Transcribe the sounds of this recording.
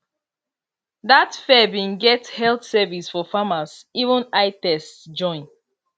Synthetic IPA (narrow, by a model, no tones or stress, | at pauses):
datfɛbĩnɡɛthɛlθsɛvisfɔfamasivə̃naɪtɛstd͡ʒɔ̃ɪ̃n